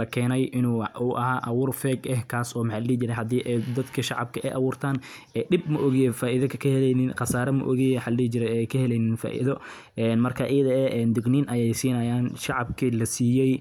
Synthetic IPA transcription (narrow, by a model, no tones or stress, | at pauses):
lɐkʰɛːnɛjʔɪnuːuʔɐɦaːʔɐwuːrfɛːɡɛhkʰaːsɔːmħaliːt͡ʃɪɾɛɦɐd̪iːʔɛjd̪ɐd̪kʰɐʃɑʕɑb̚kʰɐʔɛjʔɐwuːrt̪ʰaːnʔɛːɗɪb̚mʊʔɔɣɪjɛfaːʔiðɐkʰkʰɐhɛlɛnɪnqɑsaːɾɐmɐ̰ʔɔ̰ɣɪjħaliːt͡ʃɪɾɛjɛjkʰɐhɛlɛjnɪnfa̰ːʔḭðɔ | ʔɛːnmɐrkʰɐʔɪjɐðɐɛʔɛːnd̪ʊɡniːnʔɐjɛjsiːnɐjaːnʃɑʕɑb̚kʰilɐsiːjɛj